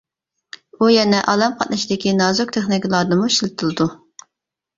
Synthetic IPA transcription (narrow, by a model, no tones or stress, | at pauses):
ujɛnɛʔɑlˠɑmqʰɑt̪̚nɨʃid̪ɪkʲinɑzok̚t̪ʰeχnikʲlˠɑɾd̪ɨmuʃilɨt̪ʰɨlˠɨd̪u